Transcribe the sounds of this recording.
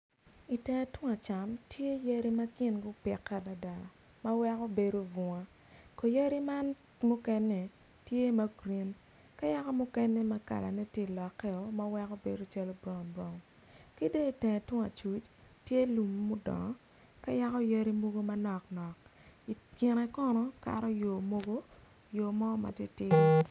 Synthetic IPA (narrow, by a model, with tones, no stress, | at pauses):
i˨tɛ̃˨twʊ˦ŋa˨t͡ʃa˨mtje˦je˦ɾi˦ma˦ɡɪ˦nɡʊ˦pɪ˨kːa˦˨da˨da˨ | ma˦wɛ˦kɔ˦be˨do˦vʊ˨ŋa˨ | ko˨je˦ɾi˦ma˦n | mu˦kɛ˦nːɛ˨ | tje˦ma˦ɡɾi˦n | ka˦ja˦kɔ˦mʊ˦kɛ˦nɛ˦mɐ˦ka̰˨la̰˨nɛ˦tje˦˨lɔ˨kːɛ˦ɔ˨ma˦wɛ˦kɔ˦be˨do˦t͡ʃa˦lo˦bo˦ŋ˨bo˨ŋ | ki˦de˦i˨tɛ̃˨ŋ˨tʊ˦a˨t͡ʃu˨˦t͡ʃtje˦lu˨mːu˦dɔ̰˨ŋɔ˦ | ka˦ja˦kɔ˦je˦ɾi˦mo˦ɡo˦mɐ˦nɔ˨knɔ˨ki˨ɡɪ˨nɛ˨kɔ˦nɔ˦ka̰˨ɾɔ˦jo˨mo˦ɡo˦ | jo˨mɔ˦ma̰˨te˦tɪ˦